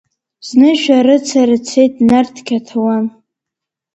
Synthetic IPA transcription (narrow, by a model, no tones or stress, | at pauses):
znɨʃᶣaɾɨt͡sʰaɾɨt͡sʰe̞jt̚ʼnartʰkʲʰatʰawan